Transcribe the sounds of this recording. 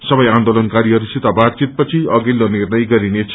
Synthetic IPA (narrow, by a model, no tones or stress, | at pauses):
sʌbʌjand̪olʌnkaɾiɦʌɾusit̪abat̪̚t͡sit̪̚pʌt͡sʰiʌɡilːonirnʌjɡʌɾinet͡sʰ